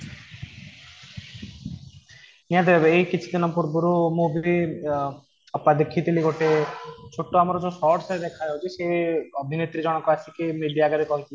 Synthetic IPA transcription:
niad̪ebebeejkit͡ʃʰi̥d̪inɔmpuɾbuɾumubʱi | apːad̪ekʰːit̪iliɡoʈet͡ʃʰoʈːoamɔɾɔd͡ʒosɔʈsed̪ekʰaaɦot͡ʃʰiʃeobʱinet̪ːɾid͡ʒɔñɔkːɔasʰikimiɖijaɡaɾikɔɦit̪il

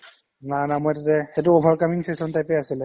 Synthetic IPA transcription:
nanamɔjtatɛxetʊɔbʱaɹkamiŋsesɔntajpɛasilɛ

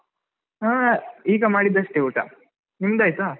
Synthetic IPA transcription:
aːiːɡɐmaːɽid̪ɐʂʈeuːʈa̰ | nimd̪ajt̪a

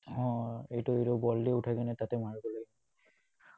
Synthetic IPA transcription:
ɔ̃ejtʊejtɔbɔldiutʰakanɛtatɛmaɹbɔloɡi

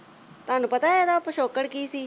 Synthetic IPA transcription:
t̪ʊaːnũːpət̪aːed̪aːpəʃoːkəɽkiːsiː

